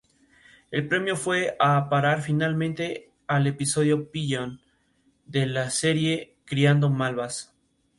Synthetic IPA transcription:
e̞lpɾe̞mjo̞fwe̞apaɾaɾfinalmẽnt̪e̞ | ale̞piso̞ð̞jo̞piʎon | d̪e̞lase̞ɾje̞ | kɾiand̪o̞malβas

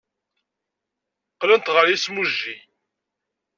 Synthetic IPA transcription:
qlənt̪ʁəɾjismuʒːi

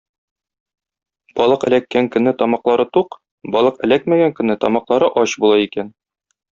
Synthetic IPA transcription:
b̥ɒlˠɤqɘ̆lækːæŋkɵ̆nːɘt̪ɒmɑqlˠɑɾɤt̪uq | bɒlˠɤqɘ̆lækmæɡæŋkɵ̆nːɘt̪ɒmɑqlˠɑɾɤʔɒɕbulˠɑikæn

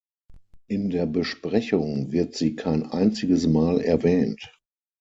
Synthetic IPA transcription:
ʔɪndeːɐbəʃpʁ̥ɛçʊŋvɪɐtz̥iːkʰaɪnʔa̰ɪnt͡sɪɡəsmaːlɛɐvɛːnt

